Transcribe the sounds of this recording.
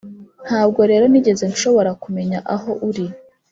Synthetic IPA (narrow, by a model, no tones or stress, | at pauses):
n̥haːb̚ɡo̞ɾe̞ːɾo̞niɟe̞ze̞nʃo̞βo̞ɾakume̞ɲaʔaɦo̞ʔuɾi